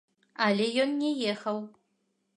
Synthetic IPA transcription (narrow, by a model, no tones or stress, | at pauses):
alʲejonːejexɐw